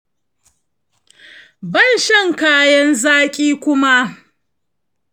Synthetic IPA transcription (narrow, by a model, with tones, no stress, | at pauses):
bɐ˦˨nʃɐ˦˨ŋkaː˦jɐ˦nzaː˦kʲʼiː˦kʷʊ˦ma˦ʔ